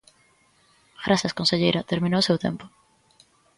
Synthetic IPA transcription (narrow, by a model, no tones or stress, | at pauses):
ɡɾasaskonseʎejɾɐt̪eɾmĩnosewt̪ḛmpo̥